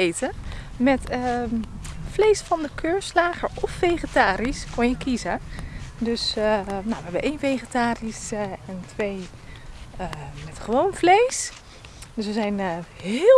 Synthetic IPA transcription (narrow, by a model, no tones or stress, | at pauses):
ejtə | mɛtə | flejsfɑndəkʰøːɹslaːχəɹɔfːejχətaːɾiskɔnjəkizədøsnawʋəɦɛbəʔejnfejχətaːrisɛntʋej | mɛtχəʋownflejs | dəsʋəzɛjnhɪ